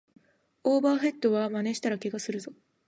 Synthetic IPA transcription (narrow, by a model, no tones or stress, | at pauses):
oːbaːɸe̞t̪ːo̞βamane̞ɕi̥t̪aɾakiɡasɨɾɯ̟zo̞